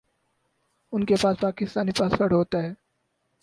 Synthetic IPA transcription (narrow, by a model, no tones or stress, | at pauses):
ʊnkepaːspaːkɪst̪aːnipaːsfɐɽɦoːt̪aɦɛː